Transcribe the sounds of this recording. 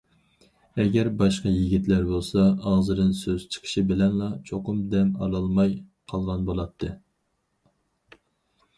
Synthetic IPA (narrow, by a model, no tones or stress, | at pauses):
ɛɡʲɛɾbɑʃqɑjiɡʲit̪læɾbolˠsɑɑzɨd̪ɨnsøz̥t͡ʃʰə̥qʰə̥ʃibɪlɛnlˠɑt͡ʃʰoqʊmd̪ɛmɑ̰lˠɑlˠmɑjqʰɑlˠʁɑnbolˠɑt̪ʰːɨ